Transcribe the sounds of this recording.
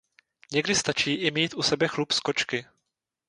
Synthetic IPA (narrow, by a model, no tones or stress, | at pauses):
ɲɛɡdɪst̪at͡ʃiːʔɪmiːt̪ʔusɛbɛxlupskot͡ʃkɪ